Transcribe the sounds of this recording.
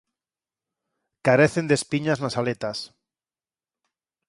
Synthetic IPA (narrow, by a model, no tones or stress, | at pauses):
kaɾeθe̞nd̪espiɲaznasalet̪as